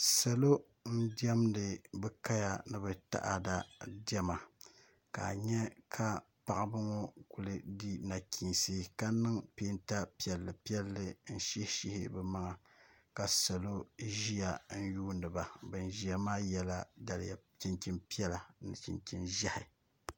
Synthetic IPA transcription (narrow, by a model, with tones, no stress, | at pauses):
sa˨lo˦ | n̩˦di˦ɛ˦mdɨ˨bɛ˦ka˦ja˨nɨ˨bɛ˨ta̰˨ʔa˨da˦djɛ˦ma˨ | ka̰˨ɲɛ˦kʰa˦ | pa˨ʔa˦bɨ˦ŋɔ˦ku˨lɨ˦di˦na˨kʰiː˨si˦ka˦nɨ˦ŋpeː˦nta˦pi˦˨ɛ˨lːɨ˨pi˦ɛ˦lːɨ˦n̩˦ʃi˦hʃi˦hɪ̰˦bɛ˦ma˦ŋa˨ | ka˨sa˨lo˦ʒi˦ja˨n̩˦juː˦ndɨ˨ba˨bɨ˨n˨ʒi˨a˨maː˦jɛ˦la˦da˨lɪ̰˨ja˨t͡ʃi˨nt͡ʃi˦˨mpi˦ɛ˦la˨nɨ˨t͡ʃḭ˨nt͡ʃi˨nʒa˦hɪ˨